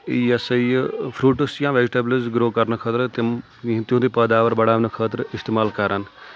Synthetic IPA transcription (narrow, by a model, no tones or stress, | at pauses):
iəsəipʰɾuːʈəsjãːʋɛːd͡ʒʈeːbləzɡɾoːkəɾnəkʰət̪əɾt̪ɪ | t̪jõːd̪iːpəːd̪aːʋəɾbəɽaːnəkʰəːt̪əɾɪst̪eːmaːlkəɾən